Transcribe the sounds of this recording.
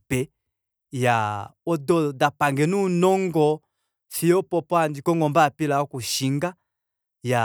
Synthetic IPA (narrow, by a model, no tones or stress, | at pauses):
pɛ | jaɔdɔdapaŋɡɛnunɔŋɡɔ | siɔpɔpɔandikɔŋɡɔmbapilaɔkuʃiŋɡa | ja